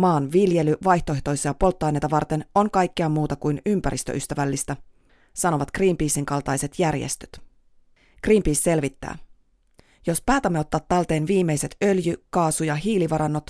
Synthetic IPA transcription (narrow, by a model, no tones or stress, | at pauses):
mɑːnʋilje̞lyʋɑjht̪o̞eht̪o̞jsijɑpo̞lt̪ːɑjne̞jt̪ɑʋɑrt̪e̞no̞ŋkɑjkːiɑmːuːt̪ɑkujnympæɾʔḭst̪ø̰ʔyst̪æʋælːist̪æ | sɑno̞ʋɑt̪kriːmpiːsiŋkɑlt̪ɑjse̞t̪jærjḛst̪ø̥t̪ | kriːmpiːsːe̞lʋit̪ːæ̰ː | jo̞spæːt̪æmːeo̞t̪ːɑːt̪ːɑlt̪e̞ːnʋiːme̞jse̞t̪ø̞ljykɑːsujɑɦiːliʋɑɾɑnːo̞t̪